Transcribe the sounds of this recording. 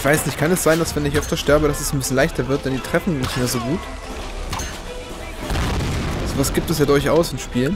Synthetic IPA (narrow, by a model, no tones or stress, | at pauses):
ɪv̥aɪsnɪçtkʰanɛsz̥aɪndasv̥ɛnɪçʔœftɐʃtɛɐbəɾasɛsn̩bɪsjnlaɪçtɐvɪɐt̚d̥ɛndiːtʁ̥ɛfn̩nːɪçtmeːɐzoːɡuːt | z̥ovasɡ̥iːp̚tɛsjaːdʊɐçʔaʊsɪnʃpiːlən